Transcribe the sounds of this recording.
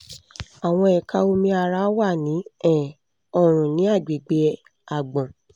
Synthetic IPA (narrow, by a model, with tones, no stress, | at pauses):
a˨w̃ɔ̃˧ɛ˨ka˧o˧mĩ˧a˧ɾa˦wa˦˨nĩ˨˦ɛ̃˦˨ | ɔ˦˧ɾ̃ũ˨nĩ˨˦a˦˨d͡ʒe˨ɡ͡be˧˦ | a˨ɡ͡bɔ̃˨